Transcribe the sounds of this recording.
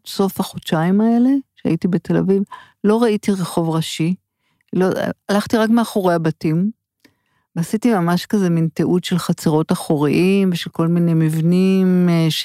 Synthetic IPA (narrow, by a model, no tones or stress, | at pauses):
so̞fhaχot͡ʃaimae̞le̞ʃea̰itibe̞tʰe̞la̰viv | lo̞ʁaitiʁeχo̞vʁaʃi | lo̰alaχtiʁakmeaχo̞ʁe̞jabatim | veasitimamaʃkaze̞minteʔutʃelχat͡seʁo̞taχoʁiʔimveʃelko̞lmine̞jmivnimʃ